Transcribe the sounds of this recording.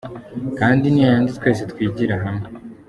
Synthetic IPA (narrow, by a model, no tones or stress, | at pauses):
kaːndinijajaːnzitwe̞ːs̬etwiːɟiɾaɦame